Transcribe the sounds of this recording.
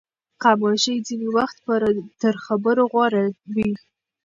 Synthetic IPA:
qamɑʃəjd͡zinewaxt̪̚pəɾat̪əɾxabəɾoɣwɑɾabi

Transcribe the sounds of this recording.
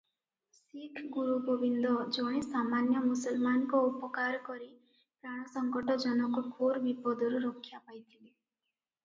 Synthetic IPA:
sikʰɡuɾubobind̪ɔd͡ʒɔɽ̃ẽsamanjɔmusɔlmanɔkɔupɔkaɾɔkɔɾi | pɾaɽ̃ɔsɔŋkɔʈɔd͡ʒɔnɔkɔkʰoɾbipɔd̪ɔɾuɾokʰːjapajt̪ʰile

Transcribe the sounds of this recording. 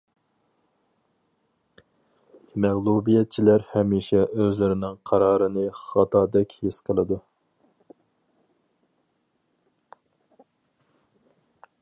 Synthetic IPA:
mɛʁlˠubijɛt̪̚t͡ʃʰilæɾhɛmiːʃɛʔøzlɪɾɪnɪŋqʰɑɾɑːɾɨnɨχɑt̪ʰɑːd̪ɛkʲhesqʰəlˠɨd̪u

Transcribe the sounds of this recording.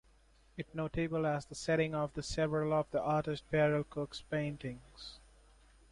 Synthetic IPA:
ɪʈnoːʈebəlæzd̪əsɛɾɪ̃ŋɔvd̪əsɛvɾəlɔvd̪iʔaːɾʈɪsʈ̚pɛɾəlkʰʊkspẽɪ̃nʈɪ̃ŋz̥

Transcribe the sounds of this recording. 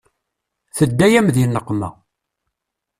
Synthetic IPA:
θəd̪ːæjæmðjnːəqːmæ̰

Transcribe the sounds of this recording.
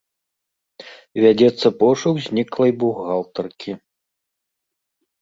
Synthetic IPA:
vʲad͡zʲɛt̪sːɐpɔʂuɣzʲnʲiklˠɐjbuɣːalˠt̪ɐrkʲʰi

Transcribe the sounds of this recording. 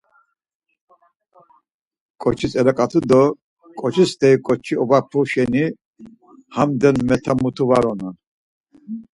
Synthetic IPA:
kʼɔt͡ʃʰisɛɾakʼat̪ʰud̪ɔ | kʼɔt͡ʃʰist̪ʰɛikʼɔt͡ʃʰiɔbapʰuʃɛni | hamd̪ɛnmɛt̪ʰamut̪ʰuvaɾɔnan

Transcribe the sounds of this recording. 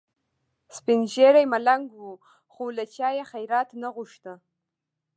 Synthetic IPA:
spinʒeɾajmalaŋɡʷwu | χulat͡ʃʰajaχajɾat̪ʰnəʁʷʊʂtə

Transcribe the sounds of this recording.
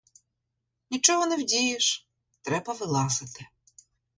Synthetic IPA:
nʲit͡ʃɔɦɔnɛwdʲijɪʃ | t̪ɾɛbɐʋɪlˠɑsɪt̪ɪ

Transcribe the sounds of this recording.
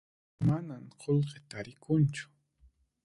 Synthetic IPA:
manamqʰolqet̪aɾɪkʰʊnt͡ʃʊ̥

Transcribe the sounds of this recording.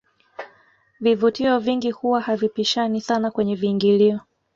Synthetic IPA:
vivutiɔviŋɡihuwahavipiʃanisanakwɛɲɛviːŋɡiliɔ

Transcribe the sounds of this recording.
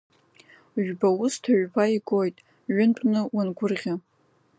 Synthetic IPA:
ʒᶣbaʊstʰaʒᶣbʰaiɡo̞jtʼ | ɥʊntʼnɨwanɡʷʊrʁʲa

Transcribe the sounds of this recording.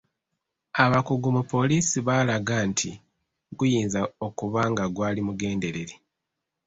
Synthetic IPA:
aβakuɡumupo̞liːsiβalaɡantʰi | ɡujiːnzao̞kuβaːŋɡaɡwaːlimuɡe̞ːnde̞ɾe̞ɾe

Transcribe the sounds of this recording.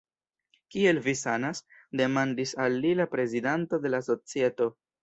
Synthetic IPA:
kie̞lvisanasde̞mandisalːilapɾe̞zidanto̞de̞laso̞t͡sie̞to̞

